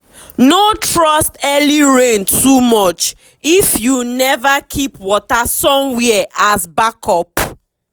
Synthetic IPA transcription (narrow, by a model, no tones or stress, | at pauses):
notɹɔstɛliɹẽntʰumɔt͡ʃ | ifjunɛvakʰipwɔtasɔ̃mwɛʔasbakʰɔp